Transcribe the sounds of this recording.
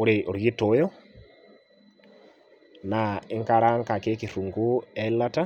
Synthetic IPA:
o˦ɾe˨ʔo˨ɾji˦to˨˦jɔ˦ | na˨i˦ŋkaɾa˦ŋka˨ke˦ki˨ɾu˨ŋɡu˦ɛ˦la˦ta˦

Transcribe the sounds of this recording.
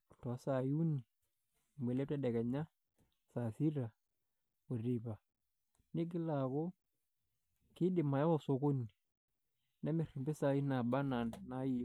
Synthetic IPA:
tɔ˨˦sa˨ju˦ni˨ | mbe˨lɛ˦p̚tɛ˦dɛ˨kɛ˨ɲa˦ | sa˨si˦ɾa˨ | o˨ri˨ba˨ | nɪ˦ɡ̬ɪ˦la˨ko˦ | kɪ˦dɪ˨ma˨ja˦ɔ˨so˨ko˦ni˨ | nɛ˦mɪ˨ri˨mbe˦sa˨i˦na˨ba˦na˨na˨˦i˦˨

